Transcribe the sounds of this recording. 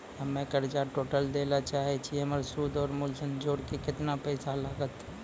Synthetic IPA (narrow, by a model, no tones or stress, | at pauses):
ɐmẽkəɾd͡ʒaʈoːʈəld̪eːlat͡ʃaːɦet͡ʃʰieməɾsuːd̪ɔːɾmʊlsənd͡ʒoːɽkekɪt̪napɛːsalaːɡət̪